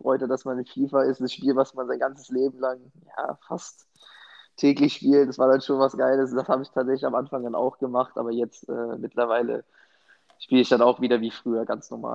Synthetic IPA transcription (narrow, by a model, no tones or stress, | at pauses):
fʁ̥ɔʏtadasmanɪnfiːfaɪstd̥asʃpiːlvasmanzaɪnɡ̥ant͡sə̥sleːbm̩laŋ | ja̰ːfast | tʰːɛːklɪçʃpiːltɛsv̥aːɐdanʃoːnvasɡ̥aɪləsʊnd̥ashaːbəɪçtʰaːtz̥ɛçlɪçamʔanfaŋdana̰ʊxɡ̥əmaχtʔa̰ːbɐjɛt͡stʔɛ̰ːmɪtʰlɐvaɪlə̰ | ʃpiːləɪçd̥anaʊxv̥iːdɐviːfʁ̥yːɐɡant͡snɔɐma̰ːl